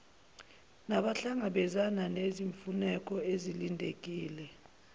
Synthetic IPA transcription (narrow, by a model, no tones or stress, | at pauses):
naɓaɬaŋaɓɛzananeziɱfunɛk̬ʼɔezilindʱek̬ʼiːlɛ